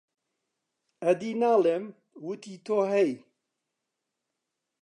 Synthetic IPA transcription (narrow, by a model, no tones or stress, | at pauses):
ɐd̪iːnaːlem | wut̪ʰiːt̪ʰoːɦɛj